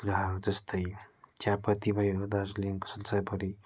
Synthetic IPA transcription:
ɾaɦʌɾud͡zʌst̪ʌjt͡sjãpʌt̪ibʱʌjoɾud̪asliŋko̥sʌnsapʌɾi

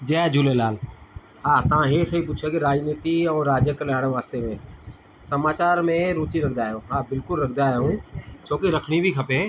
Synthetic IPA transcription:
d͡ʑɐːd͡ʑuːlelaːl | haːt̪ɐʋ̤ãɦeːsɐipʊt͡ʃʰakiɾaːd͡ʒniːt̪iɛ̃ːɾaːd͡ʑjəklaːɪɽ̃əʋaːst̪emẽ | sɐmaːt͡ɕaːɾmẽɾuːt͡ʃiɾɐkʰd̪aːɦjõɦaːbɪlkʊlɾɐkʰnd̪aːijũt͡ʃʰoːkiɾɐkʰɽ̃ibʱikʰɐpeː

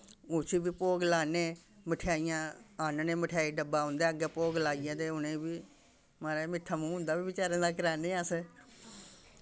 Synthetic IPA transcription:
ʊt͡ʃʰiːbiːpoːɡlaːneːməʈʰejaːijãːaːnnẽːməʈʰjaːiːɖəbaːɦʊ̃nd̪eːəɡɛːpoːɡlaːijãːt̪eːʊnẽːbiː | maːɾeːmɪt̪ʰːaːmũːɦʊ̃nd̪aːbiːbɪt͡ʃaːɾãːd̪aːkəɾaːnẽːəse

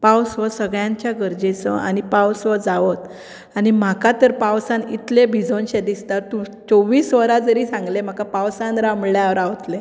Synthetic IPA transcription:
pawsʋəsəɡɭjãɲt͡ɕjaɡəɾd͡ʑet͡sə̰ʔa̰nipawsʋəd͡zaʋət̪ | anim̤akat̪əɾpawsanit̪lebʱid͡zonɕed̪ist̪at̪ũt͡sɔʋiːsʋəɾad͡zəɾiːsãŋɡlem̤akapawsãnɾamɭjãʋəɾaʋt̪le

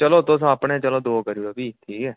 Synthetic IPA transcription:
t͡ʃəloːt̪ʊsapɳẽt͡ʃəlõːd̪oːkəɾiɾoːbiːt̪ʰiːkɛː

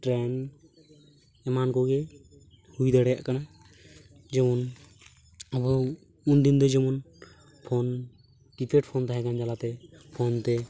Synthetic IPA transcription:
ʈɾɛn | ɛmankɔɡɛ | hujd̪aɽɛja̰ʔkana | d͡ʒɛmɔn | abɔ | und̪ind̪ɔd͡ʒɛmɔn | pʰɔn | ʈipeʈ̚pʰɔnt̪aɦɛkand͡ʒalat̪ɛpʰɔnt̪ɛ

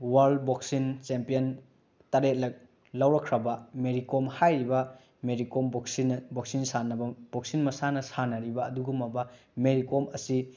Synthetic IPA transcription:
waɾdbok̚sint͡ʃempijɐn | tɐɾet̚lɐk̚ | lɐwɾɐkʰɾɐbɐmeɾikomhajɾibɐ | meɾikomboksinɐboksinsanɐbɐb̥ok̚sinmɐsanɐsanɐɾibɐːduɡumɐbɐ | meɾikomɐsi

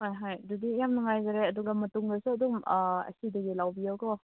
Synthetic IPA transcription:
hojɦajdudijamnɐŋajzaɾeɐduɡamɐtuŋdasuɐdumɐ̰sidɐɡilawbiawkɔ

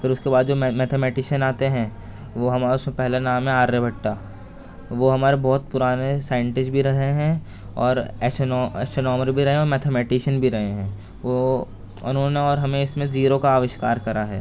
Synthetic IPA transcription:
kəɾʊskebaːd̪d͡ʒoːmɛːt̪ʰemɛːʈɪʃənaːt̪eɦɛ̃ | ʋoɦɐmaːɾʊsmẽpɛɦlanaːmɦɛ̃aːɾːebʱɐʈːaː | ʋoɦɐmaːɾebɔːt̪̚pʊɾaːnesaːɪ̃ɳʈɪd͡ʒbʱiɾɐɦeɦɛ̃ | ɔːɾɛːʃnɔːɛːsonɔːməɾbʱiɾɐɦẽɔːɾmɛːt̪ʰemɛːʈɪʃənbʱiɾɐɦeɦɛ̃ː | ʋo | ʊ̰nɦõːneɔːɾɦɐmẽɪsmẽziːɾokaaːʋɪʃkaːɾkɐɾaɦɛ̰ː

